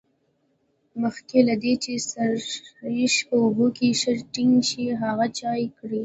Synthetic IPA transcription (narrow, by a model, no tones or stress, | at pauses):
məxkelad̪et͡ʃesaɾjɪʃpəʊbukeʃəɾʈɪŋɡʃiɦaɣat͡ʃɑjkɽi